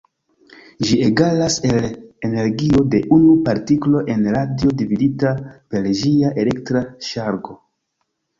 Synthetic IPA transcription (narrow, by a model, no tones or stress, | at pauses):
ʒieɡalase̞lene̞ɾɡio̞de̞ʔunupaɾtiklo̞ʔe̞nɾadio̞dividitape̞lʒiaʔe̞le̞ktɾaʃaɾɡo̞